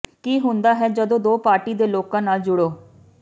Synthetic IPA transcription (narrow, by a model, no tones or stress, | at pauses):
kiːɦʊ̃nd̪aːɦɛːd͡ʒəd̪õːd̪oːpaːɾʈiːd̪eːloːkãːnaːld͡ʒʊɽoː